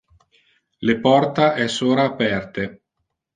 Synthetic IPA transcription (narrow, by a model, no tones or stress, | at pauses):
lepɔrt̪aʔɛsoːɾaːpɛrt̪e